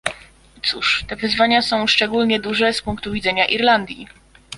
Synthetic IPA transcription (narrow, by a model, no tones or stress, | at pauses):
t̪suʂt̪ɛvɘzvaɲasɔ̃w̃ʂt͡ʂɛɡulɲɛd̪uʐɛspuŋkt̪uvʲid̪zɛɲaʔiɾland̪ʲjḭ